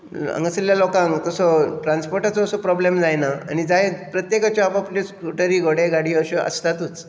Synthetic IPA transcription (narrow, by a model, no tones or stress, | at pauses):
ə̰ŋɡəsljalokãŋt̪əsɔʈɾanspoɾʈat͡sɔːsɔpɾɔblemd͡zajnaa̰ñid͡zaɦepɾət̪jekat͡ɕɔapapleskɾuʈəɾiːɡoɽeɡaɽiːəɕeʔə̰st̪at̪uːt͡s